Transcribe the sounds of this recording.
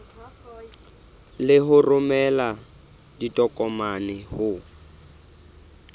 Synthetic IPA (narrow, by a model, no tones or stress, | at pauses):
lɪɦʊrʊmɛla | ditʼɔkʼɔmanɪhʊ